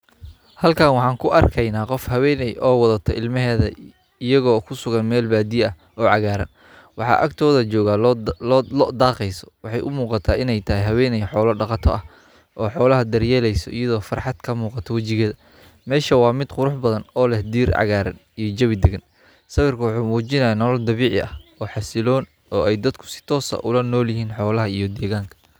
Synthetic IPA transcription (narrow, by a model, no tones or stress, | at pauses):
hɐlkʰaːnwɑħɑːŋkʰʊʔɐrkʰɐjnaːqɔfhɐwɛːnɛjʔɔːwɑðɐt̪ʰɔɪlmɐɦɛːðɐ | ɪjɐɣɔːkʰʊsʊɣɐnmɛːlbaːd̪iɐh | ɔːʕɑɣaːɾɐ̰n | wɑħɑ̰ːʔɐkt̪ʰɔːðɐt͡ʃɔːɣalɔːlɔd̪aːqɛjsɔ̥wɑħɑjʔʊmuːqɑt̪ʰaːɪnɛjt̪ʰɐɦɛɦɐwɛːnɛjħɔːlɔɖɑqɑt̪ʰɔʔɐh | ʔɔːħɔːlɐɦɐd̪ɐrjɛːlɛjsɔ̰ijɐðɔːfɑrħɑd̪̥kʰɐmuːqɑt̪ʰɔwɐt͡ʃɪɣɛːðɐ | mɛːʃɐwɑːmɪd̪qʊɾʊħbɐðɐnɔːlɛhd̪iːrʕɑ̰ɣaːɾɐ̰n | ijɔd͡ʒɐβɪd̪ɛɣɐn | sɐβɪrkʰʊwɑħuːmuːt͡ʃɪnɐjanɔlɔld̪ɐβiːʕɪɐhɔːħɑsɪlɔːn | ɔːɛjd̪ɐd̪kʰʊ̥sɪ̥t̪ʰɔːsɐ̰ʔʊlɐnɔːljɪɦiːnħɔːlɐɦɐijɔd̪ɛːɣaːŋkʰɐ̥